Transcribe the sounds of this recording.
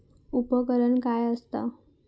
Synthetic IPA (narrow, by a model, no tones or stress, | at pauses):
upəkəɾəɳkajəst̪a̰